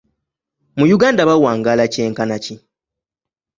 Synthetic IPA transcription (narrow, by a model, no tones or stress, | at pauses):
mujuɡaːndaβawaːŋɡaːlace̞ːŋkanaci